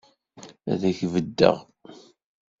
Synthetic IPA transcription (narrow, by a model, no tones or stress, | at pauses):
æ̰ðæçvəd̪ːə̰ʁ